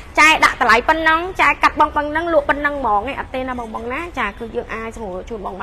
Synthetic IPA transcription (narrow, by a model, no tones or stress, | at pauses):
t͡ɕaɛɗa̰ʔt̪əlajpɨnːəŋt͡ɕaɛkat̪̚ɓɑŋpəŋnɨŋlʊ̆əʔpɨnːɨŋmɔːŋaʔɑt̪ːeːnaɓɑŋɓɑŋnaːt͡ɕaːkɨːjəːŋʔaːc̚sŋuət͡ɕuənɓɑːŋma